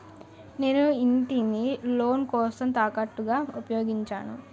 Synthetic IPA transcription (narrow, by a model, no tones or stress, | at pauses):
ne̞ːnuiɳʈinilo̞ːnkɔːsɐmt̪aːkɐʈːuɡaːupɐjo̞ːɡiɲt͡ʃa̰ːnu